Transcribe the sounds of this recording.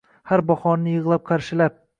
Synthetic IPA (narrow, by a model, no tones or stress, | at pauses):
haɾbɒhɒnːɪjɨʁlˠap̚qʰɑɾʃɪlap̚